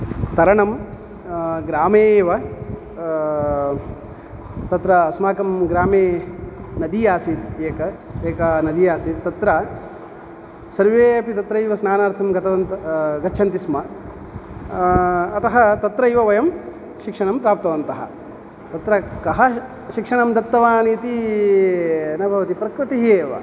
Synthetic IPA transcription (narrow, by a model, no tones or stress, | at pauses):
t̪ɐɾɐɳɐm | ɡɾaːmeːʋɐ | t̪ɐt̪ɾɐːsmaːkɐmɡɾaːmeːnɐd̪ijaːsit̪eːkɐeːkɐnɐd̪ijaːsit̪t̪ɐt̪ɾɐ | sɐɾʋeːɐpit̪ɐt̪ɾɐjʋɐsnaːnaːɾt̪ʰɐmɡɐt̪ɐʋɐnt̪ɐɡɐt͡ʃːʃʰɐnt̪ismɐ | t̪ɐɦɐt̪ɐt̪ɾɐjʋɐʋɐjɐm | ʃikʂɐɳɐmpɾaːp̚t̪ɐʋɐnt̪ɐɦɐ̰ | t̪ɐt̪ɾɐkɐɦɐ | ʃikʂɐɳɐmd̪ɐt̪ːɐʋaːniːt̪i | nɐbʱɐʋɐt̪ipɾɐkɾut̪iɦeːʋɐ̰